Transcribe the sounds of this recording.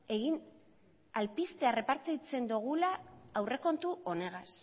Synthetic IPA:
e̞ɣin | alpist̪e̞are̞paɾt͡sit͡se̞nd̪uɣ̞ulaːwre̞ko̞nt̪uo̞ne̞ɣas

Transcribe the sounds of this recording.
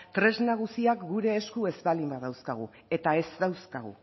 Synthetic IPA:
t̪ɾe̞znaɣ̞usiakɡuɾe̞ːskue̞zbalimbaðawskaɣ̞ṵ | e̞t̪ae̞zðawskaɣ̞ṵ

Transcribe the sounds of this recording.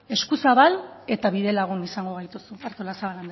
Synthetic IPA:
e̞skusaβale̞t̪aβiðe̞laɣ̞unisaŋɡo̞ɣ̞ajt̪usuaɾt̪olasaβaland̪

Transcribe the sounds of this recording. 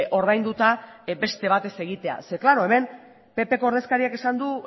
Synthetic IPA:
ʔo̞ɾð̞ajnd̪ut̪abe̞st̪e̞β̞at̪e̞se̞ɣ̞it̪e̞a̰seklaɾo̞e̞me̞m | pe̞pe̞ko̞oɾð̞e̞skaɾiake̞sand̪u

